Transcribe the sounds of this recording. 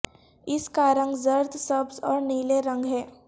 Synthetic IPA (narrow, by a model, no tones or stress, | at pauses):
ɪskaːɾə̃ŋɡzəɾt̪səbzɔːɾniːleɾə̃ŋɡɦɛː